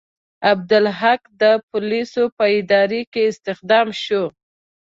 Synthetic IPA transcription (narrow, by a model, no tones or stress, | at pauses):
ab̚d̪ʊlɦakd̪əpʊlisopəɪd̪ɑɾekeɪst̪ɪxd̪ɑmʃo